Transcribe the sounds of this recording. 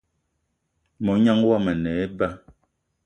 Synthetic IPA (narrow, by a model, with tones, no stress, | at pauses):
mɔ˨˦ɲa˦ŋwa˦mɛ˨nɛ˨˦ɛ˦ba˦